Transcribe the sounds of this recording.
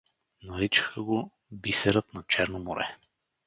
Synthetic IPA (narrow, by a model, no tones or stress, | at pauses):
nɐɾit͡ʃə̥xəɡo | bisɛɾət̪nɐt͡ʃɛɾnomoɾɛ̰